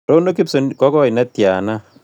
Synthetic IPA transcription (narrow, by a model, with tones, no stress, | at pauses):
ɾo˦no˦ki˦pso˨nkɔ˦kɔ˦i˨na˦tja˨na˦